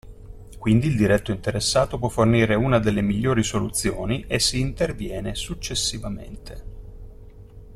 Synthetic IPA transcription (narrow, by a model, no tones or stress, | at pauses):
kwind̪iːld̪iɾɛt̪ːoint̪eɾesːaːt̪op̬wɔfːorniːɾeuːnad̪elːemiʎːoːɾisolut̪sːjoːniʔesːiːnt̪ervjɛːnesut͡ʃːesːivamḛnt̪ʰe